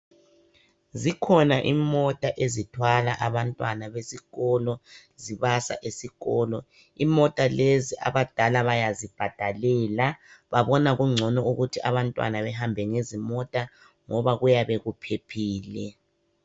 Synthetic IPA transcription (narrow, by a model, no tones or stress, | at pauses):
zikʰɔnaʔimɔtʼaʔezitʰwalaʔaβantʼwanaβesiɣɔlɔ | ziβasa̰ʔesiɣɔːlɔ | imɔtʼaleziʔa̰βad̥ʱalaβajazib̥ʱad̥ʱalɛːlaβaβɔnaɣuŋ͡ǀʱɔnɔuɣutʰiaβantʼwa̰naβɛɦambʱɛŋezimɔtʼa | ŋɔβaɣujaβeɣupʰepʰiːlɛ